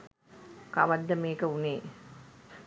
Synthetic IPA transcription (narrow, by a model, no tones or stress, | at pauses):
kaʋɐd̪ːəmeːkəuneː